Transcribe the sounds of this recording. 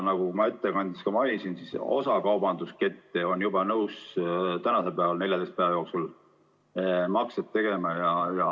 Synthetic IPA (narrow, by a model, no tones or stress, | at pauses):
nɑɡ̥ukumɑe̞t̪ːekɑnʲd̪̥iskɑmɑɑlʲisinsiso̞̰sɑkɑwb̥ɑnd̪̥uske̞t̪ːeo̞njubɑnɤwst̪ænɑse̞lpeɑvɑlne̞ljɑd̪est̪peɑjo̞ksul | mɑkset̪ːe̞ɡe̞mɑjɑjɑ